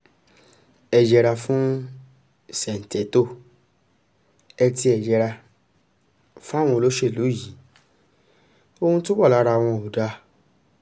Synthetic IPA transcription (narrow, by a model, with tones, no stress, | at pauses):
ɛ˨d͡ʒɛ˨ɾa˧fũ˦ | sɛ˨n̩˨tɛ˨˦to˦˨ | ɛ˧ti˧ɛ˨d͡ʒɛ˨ɾa˧ | fu˦a˦˨w̃ɔ̃˧o˧lo˦ʃe˦˨lo˨˦ji˨˦ | o˧hũ˧tũ˦bɔ˦˨la˨˦ɾa˧˨w̃ɔ̃˧o˨da˧˦